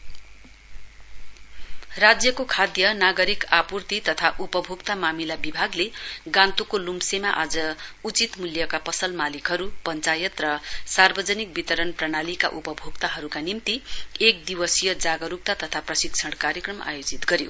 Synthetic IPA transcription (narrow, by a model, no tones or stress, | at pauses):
rad͡zjʌkokʰad̪jʌnaɡʌɾikapurt̪it̪ʌt̪ʰaʔupʌbʱuɡt̪amamilabibʱaɡleɡãnt̪ukolumsemaʔad͡zʌut͡sit̪muljʌkapʌsʌlmalikɦʌɾupʌnt͡sajʌt̪rʌsarbʌd͡zʌnik̚bit̪ʌɾʌnprʌɽ̃alika̰ʔupʌbʱuɡt̪aɦʌɾukanimt̪iek̚d̪iwʌsijʌd͡zaɡʌɾup̚t̪at̪ʌt̪ʰaprʌsikt͡sʰʌɽkaɾjʌkrʌmʔa̰jod͡zit̪ɡʌɾjo